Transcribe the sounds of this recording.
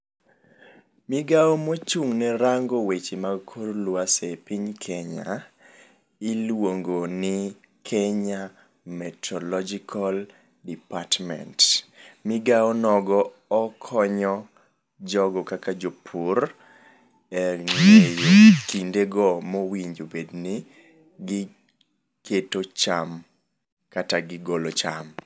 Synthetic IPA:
mɪɡaɔmot͡ʃuŋnɛɾaŋɡowet͡ʃimaɡkʰorlwasepiɲkʰeɲa̰ | ɪlwoŋɡonɪ | kʰeɲa | mɛtʰɔlɔd͡ʒikʰal | dipatmɛ̰ntmɪɡaɔnɔɡɔː | kʰɔɲɔ | d͡ʒɔɡɔkakad͡ʒopʰur | ɛŋejokindeɡɔmɔwiɲd͡ʒobednɪ | ɡɪ | kʰetot͡ʃam | kataɡɪɡolot͡ʃam

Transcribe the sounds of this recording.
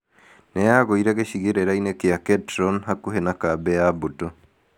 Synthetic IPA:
neaɣoiɾaɣeɕiɣeɾeɾainekeaketɾonɦakuɦenakabɛaboto

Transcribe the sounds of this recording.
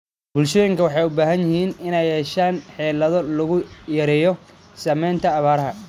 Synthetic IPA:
b̥ʊlʃɔːjɪŋkʰɐwɑħɑjʊbaːɦɐnjɪhiːnɪnɛjɛːʃaːnħɛːlɐðɔlɐɣʊjɐɾɛːjɔ | sɐmɛːnt̪ʰɐːβaːɾɐɦɐ

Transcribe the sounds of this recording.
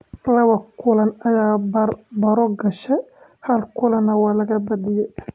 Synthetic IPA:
lɐβɐkʰʊlɐnɐjaːbɐɾɔɡɐʃɛ | hɐlkʰʊlɐnɐwɑːlɐɣɐbɐd̪ɪjɛj

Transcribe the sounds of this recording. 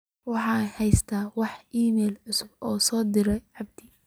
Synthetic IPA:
wɑħɑːhɛjst̪ʰaːwɑħʔiːmɛːlʕʊsʊbʔɔːsɔːd̪ɪɾɛjʕɑb̚d̪̥ɪ

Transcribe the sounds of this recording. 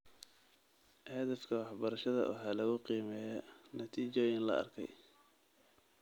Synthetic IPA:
hɛðɛfkʰɐwɑħbɐɾɐʃɐðɐ̰wʔɑ̰ħɑːlɐɣʊqiːmɛːjɐnɐt̪ʰiːt͡ʃɔːjɪnlɐ̰ɐ̰rkʰɛ̰j

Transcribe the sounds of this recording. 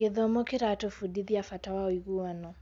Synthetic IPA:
eðɔmokeɾatofudiðiafatawaɔiɣuanɔ

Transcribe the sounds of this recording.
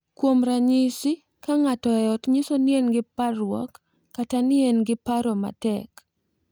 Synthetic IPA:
kwomɾaɲɪsɪ | kaŋatɔɛɔtɲɪsonjenɡɪparwɔ̰kː | atanɪenɡɪpaɾɔma̰tɛk

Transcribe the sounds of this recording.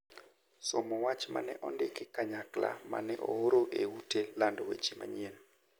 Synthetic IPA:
somɔwat͡ʃma̰nɛʔɔndɪkɪkaɲakla̰ma̰nɛʔɔoɾoʔeutelandɔwḛt͡ʃima̰ɲien

